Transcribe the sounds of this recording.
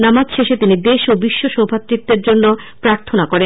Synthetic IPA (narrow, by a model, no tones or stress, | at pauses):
namad͡ʑʃeʃet̪inid̪eʃobiʃːoʃobʱat̪ːɾit̪ːeɾd͡ʑonːo | pɾaɾt̪ʰonakoɾe